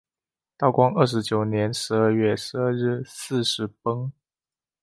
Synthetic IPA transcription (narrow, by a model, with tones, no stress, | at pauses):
t̪ɑ˥˩ʊkwɑ˥ŋə˥˩ʂ̬ɻ̩˧˥t͡ɕjo˨˩ʊnjɛ˧˥nʂɻ̩˧˥ə˥˧ɥɛ˥˩ʂɻ̩˧˥ə˥˧ɻɻ̩˥˩sɹ̩˥˧ʂɻ̩˧˥pɤ˥ŋ